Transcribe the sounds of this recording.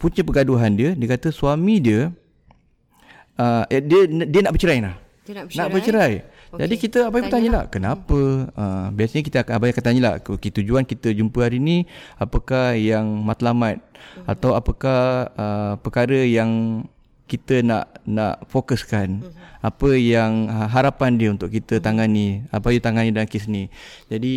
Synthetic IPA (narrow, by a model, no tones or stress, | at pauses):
puɲəpəɡaduɦandiədiəkat̪əsuamĩdiə | ədiəndiənaʔbət͡ʃəɾajnah | naʔbət͡ʃəɾaj | d͡ʒadikit̪əabajpət̪aɲəlahkənapəəmbiasəɲəkit̪əabajakant̪aɲəla̰huket̪ud͡ʒuankit̪əd͡ʒumpəhaɾiniapəkahjaŋmat̪lamat̪̚at̪awapəkahəpəkaɾəjaŋ | kit̪əna̰ʔna̰ʔfokəskanapəjaŋɦaɾapandiəunt̪ʊʔkit̪ət̪aŋania̰pajut̪aŋanidaankisnid͡ʒadi